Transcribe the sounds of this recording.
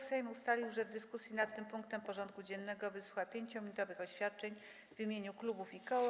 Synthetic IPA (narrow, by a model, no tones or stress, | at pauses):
sɛjmust̪alʲiwʐɛvd̪ɘskusʲjinat̪ːɘmpuŋk̚t̪ɛmpɔʐɔnt̪̚kud͡ʑɛnːɛɡɔvɘsuxapʲjeɲt͡ɕɔmʲiɲut̪ɔvɘxɔɕfʲjat̪̚t͡ʂɛɲ | vʲimʲjeɲuklubufikɔ